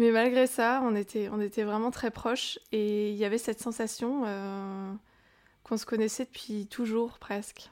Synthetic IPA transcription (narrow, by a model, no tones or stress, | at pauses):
mɛmalɡʁesaɔ̃net̪ʰɛɔ̃net̪ɛvʁɛmɑ̃t̪χɛpχɔʃeiljavɛsɛt̪sɑ̃sasjɔ̃ø | kɔ̃sə̥kɔnɛsɛd̪əpɥit̪ʰuʒuʁpχɛsk